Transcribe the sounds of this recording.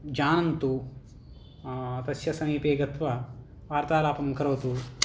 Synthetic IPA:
d͡ʒaːnɐnt̪u | t̪ɐsjɐsɐmiːpeːɡɐt̪ʋɐ | ʋaːɾt̪aːlaːpɐmkɐɾɐʋɐt̪u

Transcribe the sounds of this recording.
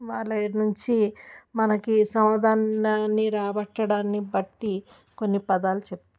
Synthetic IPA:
ʋaːɭɐnuɲt͡ʃimɐnɐkisɐmɐd̪aːnaːnːiɾaːbɐʈːɐɽaːnːibɐʈːi | ko̞nːipɐd̪aːlut͡ʃep̚t̪u

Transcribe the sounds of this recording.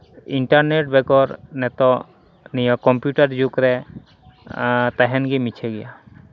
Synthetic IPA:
iɳʈaɾneʈ̚bɛɡɔɾnɛt̪ɔ | nijɔkɔmpjuʈaɾd͡ʒukɾɛ | t̪aɦɛnɡimit͡ʃʰɛɡɛja

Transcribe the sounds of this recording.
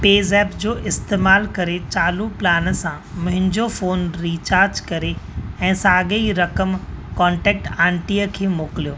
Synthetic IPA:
peːzɛːpd͡ʑoːʔɪst̪eːmaːlkɐɾet͡ɕaːluplaːnəsã | mɐ̃ɦɪ̃ɲd͡ʑofoːnɾiːt͡ɕaːɾd͡ʑkɐɾeɛ̃ːsaːɠeiɾɐkəmkɔ̃ːɳʈɛːk̚ʈãːɳʈiːəkʰeːmoːkɪlijoː

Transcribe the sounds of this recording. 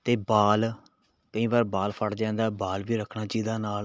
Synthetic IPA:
t̪eːbaːl | kəĩːʋaːɾbaːlpʰəɽd͡ʒɛ̃ːnd̪aːbaːlʋiːɾəkʰnaːt͡ʃiːd̪aːnaːl

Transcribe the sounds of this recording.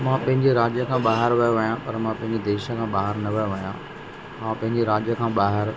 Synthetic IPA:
mãːpɐ̃ɦɪ̃ɲd͡ʑeɾaːd͡ʑjəkʰãːɓaːɦɪɾʋɐjõʋɐjãpɐɾmãpɐ̃ɦɪ̃ɲd͡ʑed̪eːʃə̆kʰãːɓaːɦɪɾnɐʋɐjõʋɐjã | ɦãpɐ̃ɦɪ̃ɲd͡ʑeɾaːd͡ʑjəkʰãːɓaːɦɪɾ

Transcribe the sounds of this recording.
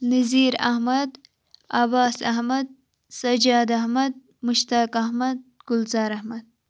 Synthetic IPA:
niziːɾɐ̰hmɐd̪ | ɐbaːsɐhmɐd̪̚ | sɐd͡ʒaːd̪ahmɐd̪̚ | mʊʃt̪aːkahmɐd̪̚ɡ̥ʊlzaːɾɐhmɐd̪̚

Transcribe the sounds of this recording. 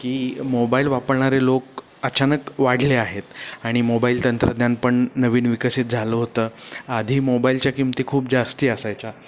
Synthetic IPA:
kiːmobailʋapəɾɳ̃aɾelok | ət͡ɕanəkʋaɽ̤leaɦet̪aɽ̃imobailt̪ənt̪ɾəd̪njanpəɳnəʋiːnʋikəsit̪̚d͡zʱaloɦot̪əːad̪ʱiːmobailt͡ɕjakimt̪iːkʰuːp̚d͡zast̪iːəsajt͡ɕa

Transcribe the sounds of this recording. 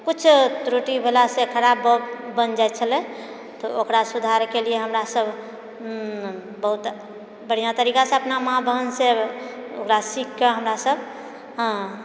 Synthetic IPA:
kut͡ʃʰt̪ɾoʈibʱelasekʰəɾabbːənd͡ʒajt̪t͡ʃʰəlɛ | t̪ɔokɾasud̪ʱaɾkelieɦəmɾasəb | bəɦut̪ | bəɽ̤ijat̪əɾikaseəpnamãbʱəɦənseo̰kɾasikːeɦəmɾasəb̃ʱ

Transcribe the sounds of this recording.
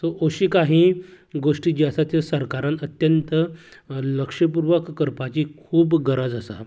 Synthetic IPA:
soʔoɕiːkaɦiː | ɡoʂʈiːd͡ʑiasat̪əsəɾkaɾãnət̪jənt̪ələkʂəpuɾʋəkːəɾpat͡ɕiːkʰuːbɡəɾad͡zəsa̰

